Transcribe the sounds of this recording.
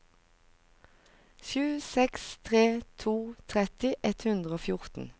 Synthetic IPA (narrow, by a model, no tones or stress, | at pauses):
ʃʉːsɛkst̪ʰʁeːt̪ʰuːt̪ʰʁɛt̪ɪʔɛt̪hʉnd̪ʁəoːfjʊʁt̪n̩